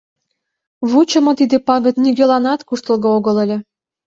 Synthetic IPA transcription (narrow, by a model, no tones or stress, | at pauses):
βut͡ɕə̆mŏt̪id̪epɑɣət̪niɡʲelɑnɑt̪kuʃt̪əlɣooɣəlelʲĕ